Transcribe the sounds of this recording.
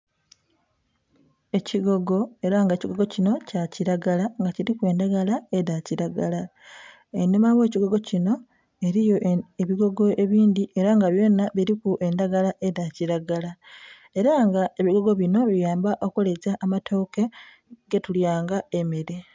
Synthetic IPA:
e̞ciɡo̞ɡo̞e̞ɾaŋɡeciɡo̞ɡo̞cino̞caciɾaɡalaŋɡaciɾikwe̞ːndaɡalaeðaciɾaɡala | enomawe̞ːciɡo̞ɡo̞cino̞ | e̞ɾijo̞eβiɡo̞ɡo̞ʔe̞βiːndiʔe̞ɾaŋɡaβjo̞ːnaβiɾikuʔe̞ndaɡalaʔe̞ðaciɾaɡala | e̞ɾaŋɡaʔe̞βiɡo̞ɡo̞βino̞βijaːmbaʔo̞kulezaʔːmatʰo̞ːke̞ | ɡe̞tuljaːŋɡae̞meɾe̞

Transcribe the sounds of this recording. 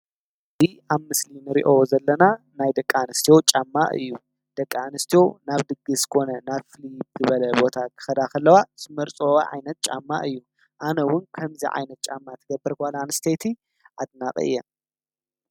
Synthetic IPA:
zi | aβmɨslinɨɾḭʔozɐlːɐna | najd̪ɐkʼːanɨst̪ʰijo̞t͡ʃʼamːaʔɨ̰jːu | d̪̥ɐkʼːanɨst̪ʰijo̞naβd̪ɨɡːɨskʰo̞nɐnaβfɨlib̚zɨβɐlɐbo̞t̪ʰakʰɨ̥xɐd̪akʰɐlːɐwazɨmɐɾt͡sʼowaʕa̰jnɐt̪̚t͡ʃʼa̰mːa̰ʔɨjːu | ʔanɐwʊnkʰɐmzḭʕa̰jnɐt̪̚t͡ʃʼamːat̪ʰɐɡɐbɨɾkʰalanɨst̪ʰet̪ʰi | ʔad̪nakʼɐ̰ɨ̰jːɛ

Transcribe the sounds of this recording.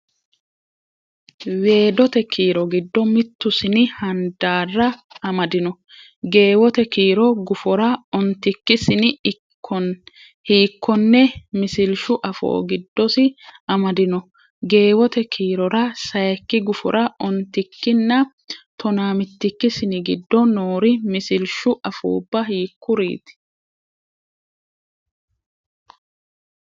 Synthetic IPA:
we̞ːd̪ɔt̪ɛkʰiːɾɔɡɪd̪ːɔmɪt̪ːʊsɪnɪhɐnd̪aːrːɐɐmɐd̪ɪnɔ | ɡe̞ːwɔt̪ɛkiːɾɔɡʊfɔɾɐɔnt̪ːɪkːɪsɪnɪkːɔn | hiːkːɔnːɛmɪsɪlʃʊʔɐfo̰ːɡɪd̪ːɔsɪɐmɐd̪ɪnɔ | ɡe̞ːwɔt̪ɛkʰiːɾɔɾɐsɐjɛkːɪɡʊfɔ̰ɾʔɐɔnt̪ːɪkːɪnːɐ | t̪ɔnaːmɪt̪ːɪkːɪsɪnɪɡɪd̪ːɔnoːɾɪmɪsɪlʃʊʔɐfṵːbːɐhiːkːʊɾḭːt̪ɪ̥

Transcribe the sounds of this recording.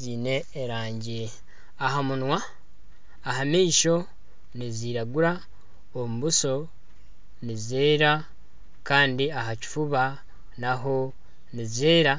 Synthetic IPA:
ziːne̞ːɾaːɲɟi | aɦamunwaː | ɦamiːʃo̞ | niziːɾaɡuɾa | omuβuso̞ | nizeːɾa | kaːndiaɦaci̥fuβa | naɦo̞ | nizeːɾa

